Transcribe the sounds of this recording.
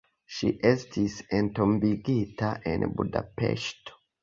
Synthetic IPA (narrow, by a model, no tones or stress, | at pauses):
ʃḭʔestʰisentombiɡitaʔḛnbṵda̰pḛʃto̥